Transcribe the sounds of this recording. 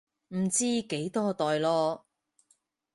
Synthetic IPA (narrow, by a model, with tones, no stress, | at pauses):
m̩˨˩t͡siː˥ke˨˥jt̪ɔː˥t̪ɔː˨jlɔː˧